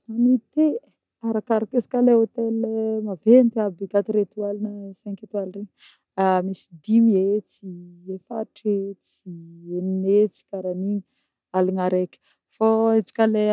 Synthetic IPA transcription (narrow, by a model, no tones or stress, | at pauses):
nanit̪e | aɾakaɾakesi̥kaleot̪elemavent̪abiɡat̪iɾet̪ualinəfeŋkʲet̪ualreɲ | amisi̥d̪imiet͡siefa̰ʈ͡ʂet͡sieninet͡si̥kaɾaniɲi | alinaɾekʲə̥ | fait͡si̥kʲale